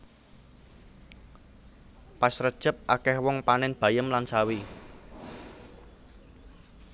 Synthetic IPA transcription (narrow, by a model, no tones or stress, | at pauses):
pasrəd̥ʒ̥ə̤p̚ʔakɛhwɔŋpanɪnb̥ä̤jəmlansawi